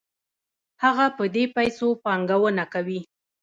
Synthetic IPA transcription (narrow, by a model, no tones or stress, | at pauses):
haɣapəd̪epajsopɑŋɡawənakawi